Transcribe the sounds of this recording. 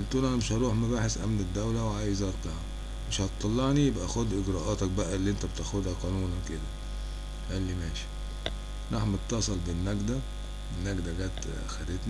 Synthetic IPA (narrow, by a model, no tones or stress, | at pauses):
ʔent̪unʔænmɪʃhɑɾˤuːħmæbaːħesʔæ̰mned̪ːæwlæwʕaːjezɑːɾˤt̪æhæ | meʃhɑt̪t̪ˤːɑlːɑʕnijebʔæxod̪ʔɪɡɾɑːʔɑːt̪ɑk̚bæʔælːiʔent̪æbet̪æxod̪hæqɑːnuːnwked̪æ | ʔælːimæːʃi̥ | ɾˤʔɑħmet̪ːɑsˤelbɪnːæɡd̪æ | enːæɡd̪æɡæːt̪ | xæd̪et̪næ